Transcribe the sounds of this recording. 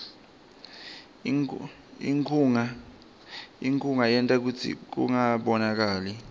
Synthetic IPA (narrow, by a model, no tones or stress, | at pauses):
iŋʰuŋa | iŋkʰʼuŋajɛntʼak̬ut͡sʰḭk̬ṵŋaɓɔnak̬aːli